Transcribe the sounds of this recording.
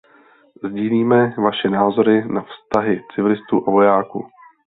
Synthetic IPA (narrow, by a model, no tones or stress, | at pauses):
zɟiːliːmɛvaʃɛnaːzo̞ɾɪnafst̪aɦɪt͡sɪvɪlɪst̪uːʔavo̞jaːkṵ